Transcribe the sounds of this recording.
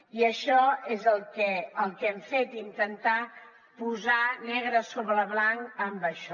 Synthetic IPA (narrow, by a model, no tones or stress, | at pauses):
iəʃɔezəlˠkɛəlˠkɛmfet̪int̪ənt̪a | puzanɛɣ̞ɾəsoβɾələβlaŋkəmbəʃɔ